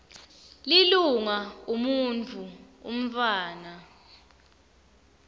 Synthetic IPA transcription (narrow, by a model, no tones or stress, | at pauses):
liluŋaumunt͡fʰuṵm̩t͡faːna